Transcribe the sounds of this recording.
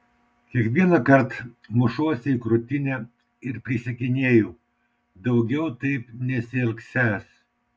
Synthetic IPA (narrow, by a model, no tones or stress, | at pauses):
kʲiɛkʋʲiɛnɐkɐɾt̪ | mʊʃuɔsʲɪɪkɾʊt̪ʲɪnʲɛ | ɪɾpʲɾʲɪsʲɛkʲɪnʲeːjuː | d̪ɐʊɡʲɛʊt̪ɐɪpnʲɛsʲɪɐlʲksʲæːs